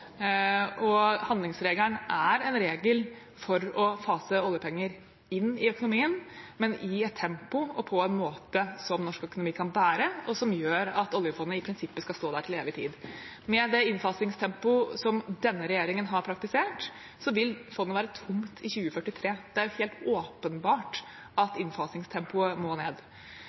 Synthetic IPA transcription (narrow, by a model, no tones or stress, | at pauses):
ɔhɑnlɪŋsɾeːɡlæɳæɾɛnɾeːɡəl | fɔɾɔfɑːsəɔljəpʰɛŋːəɾ | ɪnːɪœkʊnʊmiːənmɛnɪɛt̪ʰːɛmpʊɔpʰɔɛnmoːt̪əsɔmnɔʂkœkʊnʊmiːkʰɑnbæːɾəɔsɔmjøːɾɑt̪ɔljəfɔnːəɪpʰɾɪnsɪpːəskɑst̪oːd̪æʈʰɪleːʋɪt̪ʰḭːd̪mɛd̪ɛɪnfɑsɪŋst̪ʰɛmpʊsɔmd̪ɛnːəɾɛjeːɾɪŋənɦɑɾpʰɾɑk̚t̪ɪseːʈ | sɔʋɪlfɔnːəʋæːɾət̪ʰʊmt̪ʰɪçʉːəfœʈːɪt̪ʰɾeːd̪ɛæɾjʊheːlt̪oːpənbɑːʈ | ɑt̪ɪnfɑsnɪŋst̪ʰɛmpʊəmoːneːd̪